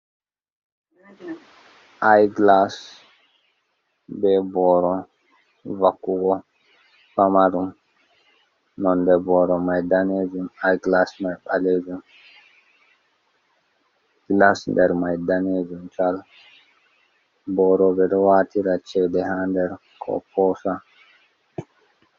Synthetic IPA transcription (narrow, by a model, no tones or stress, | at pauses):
ʔajɡlas | bɛbɔɾɔ | vakːuɡɔ | famaɾum | nɔndɛbɔɾɔmajdaneːd͡ʒumajɡlasmajɓaled͡ʒum | ɡ̥lasndɛɾmajdaned͡ʒumt͡ʃal | bɔɾɔbɛɗɔwaːtiɾat͡ʃɛdɛhandɛɾ | kʰɔ̰pʰɔsa